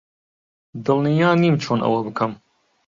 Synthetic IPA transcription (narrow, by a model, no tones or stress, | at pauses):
d̪ɨlˠnijaːniːmt͡ʃʰoːnʔɐ̰wɐbɨkʰɐm